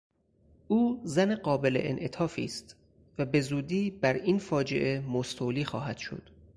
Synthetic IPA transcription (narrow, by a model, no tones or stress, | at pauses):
ʔuːzæneɢɒːbe̞leʔḛnʔet̪ʰɒːfiːst̪ | væbe̞zuːd̪iːbæɾiːnfɒːd͡ʒe̞̰ʔemost̪ʰoliːxɒ̰ːɦæd̪̥ʃo̞̰d̪̥